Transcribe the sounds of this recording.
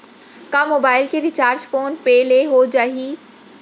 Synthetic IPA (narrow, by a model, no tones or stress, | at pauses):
kamoːbaːɪlkeɾɪt͡ʃaːɾd͡ʒfoːnpɛːleɦod͡ʒaːɦi